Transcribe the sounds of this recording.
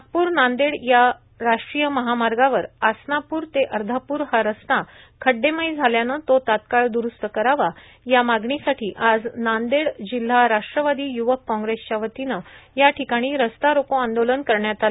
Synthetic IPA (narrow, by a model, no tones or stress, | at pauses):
ak̚puːɾnand̪eɽja | ɾaʂʈɾijəməɦamaɾɡaʋəɾasnapuːɾt̪eʔəɾd̪ʱapuːɾhaɾəst̪a | kʰəɖːemajd͡zʱaljanət̪ot̪at̪kaɭd̪uɾust̪əkəɾaʋa | jamaɡɳisaʈʰiːʔad͡znand̪eɽd͡ʑil̤ːaɾaʂʈɾəʋad̪iːjuʋəkːɔ̃ŋɡɾest͡ɕaʋət̪inəjaʈʰikaɽ̃iːɾəst̪aɾokoãnd̪olənkəɾɳjat̪al